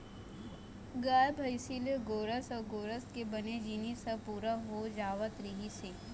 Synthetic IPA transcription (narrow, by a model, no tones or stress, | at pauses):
ɡaːjbʱəɪsileɡoːɾəsɔːɾɡoːɾəskebɐned͡ʒiːnisɐpuːɾaɦod͡ʒaːʋət̪ɾɪɦiseː